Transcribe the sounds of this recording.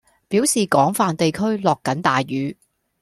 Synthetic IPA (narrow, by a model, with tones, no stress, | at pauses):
pi˨˥wsiː˨kɔː˨˥ŋfaː˧nt̪e˨jkʰɵ˥ɥlɔː˨kːɐ˨˥nt̪aː˨jɥyː˨˥